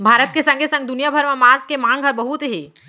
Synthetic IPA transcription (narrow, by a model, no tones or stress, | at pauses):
bʱaːɾət̪kesə̃ŋɡʱesə̃ŋɡ̚d̪unijabʱəɾmãmãzkemãŋɡʱəɾbəɦut̪ɦeː